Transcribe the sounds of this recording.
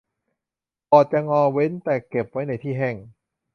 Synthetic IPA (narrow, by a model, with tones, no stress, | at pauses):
pʰɔː˨˩t͡ɕa˧˨ŋɔː˧we˦˥nt̪ɛː˨˩ke˨˩p̚wa˦˥jna˧˩jt̪ʰiː˥˩ɦɛ˧˩ŋ